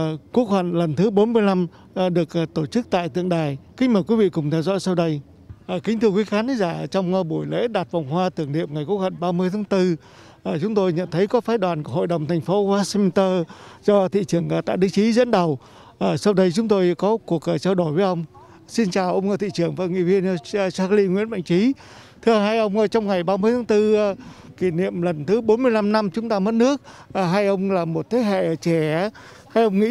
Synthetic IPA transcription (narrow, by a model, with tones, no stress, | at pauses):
ku˦˥ək̚hwə̰˧˨nlə˨˩nt̪ʰɨ˨˦ɓo˨˦nmɨ˧əjla˧mː˨˩ | ɗɨ˨˩ək̚ːk̚t̪o˧˩t͡ɕɨ˦˥k̚t̪a̰ː˧˨jt̪ɨ̰˧˨əŋɗaː˨˩jkï˦ŋ̟̚məː˧˩jkwi˨˦vḭ˧˨kʊ˨˩ŋ͡mt̪ʰɛ˧wzɔ̰˧˥jsa˧wɗə˧j | ʔəː˨˩kï˨˦ŋ̟t̪ʰɨ˧əkwi˨˦xaː˨˦nt̪zaː˧˩˨t͡ɕɔ˧wŋ͡mɓu˧˩əjlḛ˧˥ɗaː˨˩t̚va˨˩wŋ͡mɦwaː˧t̪ɨ˧˩əŋɗḭ˧˨əmŋa˨˩jkəkhwə̰˧˨nɓaː˧mɨ˧əjt̪ʰːŋt̪ɨ˧ | ʔəː˨˩t͡ɕʊ˨˦ŋ͡mt̪o˧jɲə̰˧˨nt̪ʰə˨˦jkɔ˨˦faː˨˦jɗwaː˨˩nku˧˩ho̰˧˨jɗə˨˩wŋ͡mt̪ʰɛ˨˩jŋ̟fo˨˦waː˦˥si˧m˧nt̪əː˧zɔ˧t̪ʰḭ˧˨t͡ɕɨ˧˩əŋ˨˩t̪a̰ː˧˨jɗi˨˧˦t͡ɕi˨˦zə̰˧˥nɗə˨˩w | ʔəː˨˩sa˧wɗə˨˦jt͡ɕʊ˨˦ŋ͡mt̪o˧jkɔ˨˦ku˨˩ək̚ʔːt͡ɕaː˧wɗo˧˩jvəː˨˦jʔə˧wŋ͡m | si˧nt͡ɕaː˨˩wʔə˧wŋ͡mkə˨˧˩t̪i˧˨t͡ɕɨ˧˩əŋva̰˧˩ŋḭ˧˨vi˧ənː˧˨saː˧˥kli˧ŋwḭ˧˥ənɓa̰˧˨jŋ̟t͡ɕi˨˦ | t̪ʰɨ˧əɦaː˧jʔə˧wŋ͡mʔəː˨˧t͡ɕɔ˧wŋ͡mŋa˨˩jɓaː˧mɨ˧əjt̪ʰaː˨˦ŋt̪ɨ˧˨˩ | ki˧˩nḭ˧˨əmlə˨˩nt̪ʰɨ˨˦ɓo˨˦nmɨ˧əjla˧mna˧mt͡ɕʊ˨˦ŋ͡mt̪aː˧mə˦˥t̚nɨ˦˥ək̚ə˨˩ɦaː˧jʔə˧wŋ͡mlaː˨˩mo˨˩t̚t̪ʰe˨˦ɦḛ˧˨˩t͡ɕɛ˧˩a˨˦ | haː˧jʔə˧wŋ͡mŋḭ˧˥